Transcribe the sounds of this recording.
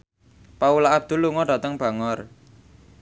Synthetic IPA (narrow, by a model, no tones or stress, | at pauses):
paulaːb̚d̪̥ṳlːuŋɔɖ̥a̤t̪əŋb̥a̤ŋɔr